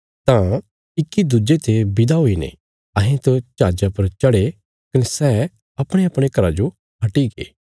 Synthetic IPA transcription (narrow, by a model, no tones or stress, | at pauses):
t̪ã | ɪkːid̪ud͡ʒet̪ebɪd̪aɦoinḛ̃ | ɐɦẽt̪ot͡ʃaːd͡ʒapɐɾt͡ʃɐɽe | kɐnesɛː | ɐpɽ̃eɐpɽ̃ekɐɾad͡ʒo | ɦɐʈiɡḛː